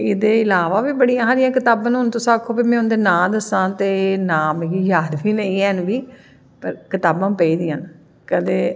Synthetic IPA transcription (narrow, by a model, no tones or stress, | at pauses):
ɪd̪eːɪlaːʋaːʋiːbəɽijãːɦaːɾɪjãːkɪt̪aːbãnɦʊnt̪ʊsãːkʰːoːpimɛ̃ːʊnd̪eːnãːd̪əsãːt̪eːnaːmɡiːjaːd̪ʋiːnə̃ĩːɛːnʋiː | pəɾkɪt̪aːbãːpəiːd̪ijãːn | kəd̪eː